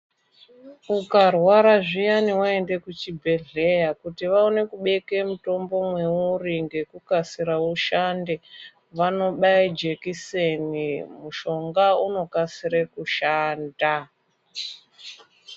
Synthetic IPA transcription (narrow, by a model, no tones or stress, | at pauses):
ukarwaɾaʐijaniwae̞nde̞kut͡ʃibʱe̞ɮe̞jakutiʋaone̞kuɓe̞ke̞muto̞mbo̞mwe̞uɾiŋɡe̞kukasiɾauʃande̞ | ʋano̞ɓaid͡ʒe̞kisenimuʃo̞ŋɡauno̞kasiɾekuʃaːnda